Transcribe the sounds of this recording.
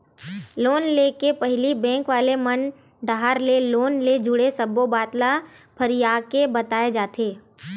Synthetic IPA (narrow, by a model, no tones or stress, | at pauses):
loːnlekepɛɦlibɛ̃ːŋkʋaːlemən | ɖ̪aɦaːɾleloːnled͡ʒʊɽesɐbobaːt̪la | pʰəɾijaːkebɐt̪aːed͡ʒaːt̪eː